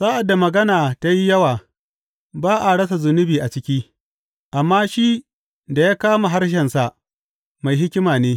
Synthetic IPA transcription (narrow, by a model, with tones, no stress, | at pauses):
saː˦ʔa˨dːa˨mɐ˨ɡɐ˦naː˨ta˦ji˦jɐ˦waː˨ | baː˦ʔa˨ɽɐ˦sa˨zʊ˨nʊ˦biː˨ʔa˨t͡ʃɪ˦kʲiː˦ | ʔa˨mːaː˦ʃi˦ | da˨jaː˦kaː˦ma˨ɦa˦rʃ̬ɛ˨nsa˨ʔ | ma˨jɦɪ˦kʲɪ˦maː˨neː˦